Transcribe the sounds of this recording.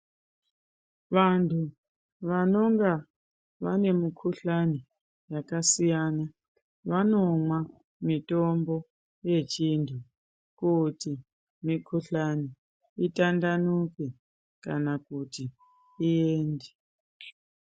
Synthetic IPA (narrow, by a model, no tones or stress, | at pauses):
ʋantʰu | ʋano̞ŋɡa | ʋane̞mukʰuɬani | jakasijana | ʋano̞mwa | mitombo̞ | je̞t͡ʃintʰu | kuti | mikʰuɬani | itandanuke | kanakutiː | eːnde